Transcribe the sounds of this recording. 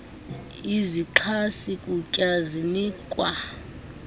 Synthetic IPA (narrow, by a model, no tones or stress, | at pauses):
iziǃʰasikʼucʼazinikʼwa